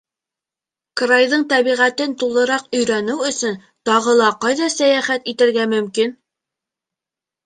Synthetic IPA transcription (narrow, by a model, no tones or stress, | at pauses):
krajðɤɴt̪æβiʁæt̪ɘnt̪ulˠɤ̆ɾɑqɵ̆jɾænɘwɵ̆sɵn | t̪ɑʁɤlˠɑqɑjðɑsæjæχæt̪it̪ɘ̆ɾɡæmɵ̆mkin